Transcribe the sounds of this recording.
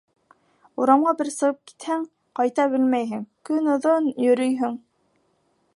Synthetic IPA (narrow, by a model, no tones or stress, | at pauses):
uɾɑmʁɑbɘɾsɤ̆ʁɤp̚ki̥t̪hæŋ | qɑjt̪ɑbɘlmæjɦɘŋkɵnŏðonjɵ̆ɾɵjɦɵŋ